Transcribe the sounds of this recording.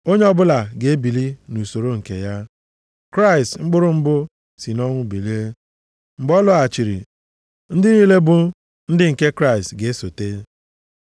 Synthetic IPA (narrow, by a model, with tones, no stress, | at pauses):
o˦ɲe˦ɔ˦bʊ˦la˨ɡe˨e˦bi˨li˦nu˨so˨ɾo˦ŋ̩˨kḛ˨ja˦ | kɾa˦i˨stŋ͡m̩˦ɡ͡bʊ˦ɾʊ˦m̩˦bʊ˦ | si˨nɔ˦ŋʷʊ˦bi˨li˦e˦ | ŋ͡m̩˨ɡ͡bɔ˦lʊ˦a˨t͡ʃi˨ɾḭ˨ | n̩˦dɪ˦niː˦le˦bʊ˦ | n̩˦dɪ˦ŋ̩˨ke˦kɾa˦˨i˨stɡe˨e˦so˨te˦